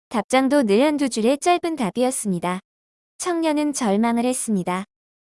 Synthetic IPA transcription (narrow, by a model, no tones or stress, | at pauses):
tap̚t͡ɕ͈aŋdonɯɾʌndud͡ʑuɾe̞t͡ɕ͈ʌɭbɯntabiʌs͈ɯmɲida | t͡ɕʰʌŋɲʌnɯnt͡ɕʌɭmaŋɯɭhe̞s͈ɯmɲida